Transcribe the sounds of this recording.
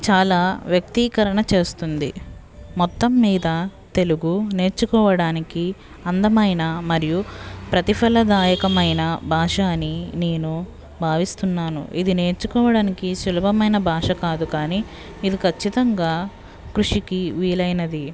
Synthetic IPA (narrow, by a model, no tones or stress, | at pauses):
t͡ʃaːlaːʋjɐk̚t̪ikɐɾɐɳɐt͡ʃe̞ːst̪und̪ḭ | mɔt̪ːɐmːiːd̪ɐt̪e̞luɡune̞ːɾt͡ʃukɔːʋɐɽaːniki | ɐnd̪ɐmɐjnɐmɐɾijupɾɐt̪ipʰɐlɐd̪aːjɐkɐmɐjnɐbʱaːʂaːnine̞ːnu | bʱaːʋist̪unːaːnṵʔid̪ine̞ːɾt͡ʃukɔːʋɐɽaːnikiʃulɐbɐmɐjnɐbʱaːʂɐkaːd̪ukaːniː | d̪ikʰɐt͡ʃːit̪ɐŋɡaː | kɾuʂikiʋiːlɐjnɐd̪i